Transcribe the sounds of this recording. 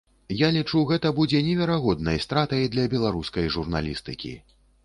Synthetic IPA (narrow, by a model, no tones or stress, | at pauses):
jalʲit͡ʂuɣɛt̪ɐbud͡zʲɛnʲɛvʲɛɾaɣɔd̪nɐjst̪ɾat̪ɐjd̪lʲɐbʲɛlˠaɾuskɐjʐurna̰lʲḭst̪ɨkʲḭ